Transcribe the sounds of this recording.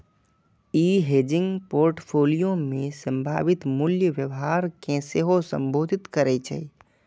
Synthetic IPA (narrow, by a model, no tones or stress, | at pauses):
iːɦeːd͡ʒɪ̃ŋɡpoːɾʈpʰoːlijomẽsə̃mbʱaːʋit̪muljəʋjəʋɦaɾkẽseɦosə̰̃mbʱoːd̪ʱɪt̪kəɾɛt͡ʃʰɛ̰i